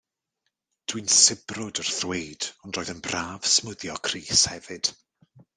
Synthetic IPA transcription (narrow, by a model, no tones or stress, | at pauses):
d̥winsɪbrʊdər̥θwejd̥ɔndrɔːjðənbraːv̥smʊðjɔkʰriːshɛvɨd̥